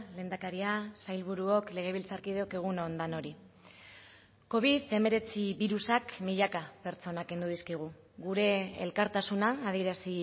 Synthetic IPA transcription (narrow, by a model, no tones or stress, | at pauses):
le̞ːnd̪akaɾiasajlβuɾuo̞kle̞ɣ̞e̞β̞ilt͡saɾkið̞eo̞ke̞ɣ̞unond̪ano̞ɾi | ko̞βiðe̞me̞ɾe̞t͡siβiɾusakmiʎakape̞ɾt͡so̞nake̞nd̪uðiskiɣ̞u | ɣuɾe̞̰ːlkaɾt̪asunaːð̞ieɾasi